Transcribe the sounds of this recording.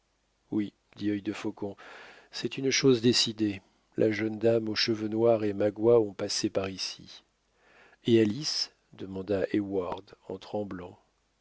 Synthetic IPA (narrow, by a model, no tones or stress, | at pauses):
wi | d̪iœjd̪əfɔkɔ̃ | sɛt̪ynʃozd̪esid̪e | lʔaʒənd̪amoʃəvənwaʁemaɡwaɔ̃pasepaʁisḭ | ealis | d̪əmɑ̃d̪aʔewaʁd̪ɑ̰̃t̪χɑ̃blɑ̃